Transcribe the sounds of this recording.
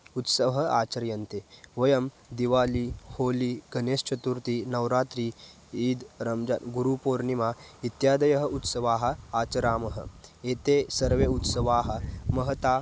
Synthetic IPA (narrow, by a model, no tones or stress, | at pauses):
ut̪səʋɦɐaːt͡ʃɐɾjɐnt̪eʋɐjɐm | d̪iʋaːliːhoːliːɡɐneːst͡ʃɐt̪uɾt̪iːnɐʋɾaːt̪ɾiː | iːd̪ɾɐmd͡ʒa̰nɡuɾupoːɾnimaːit̪jaːd̪ɐjɐɦɐut̪sɐʋaːɦɐ̆aːt͡ʃɐɾaːmɐɦə̰eːt̪esɐɾʋeut̪sɐʋaːɦɐ̆mɐɦɐt̪aː